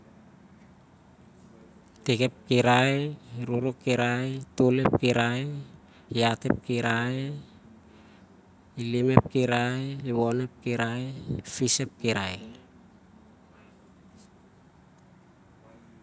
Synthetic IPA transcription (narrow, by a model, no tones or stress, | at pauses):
teke̞p̚kiɾajɾuɾokːiɾajtolep̚kiɾaj | ate̞p̚kiɾaj | ilime̞p̚kiɾajiwone̞p̚kiɾaefisep̚kiɾa̰j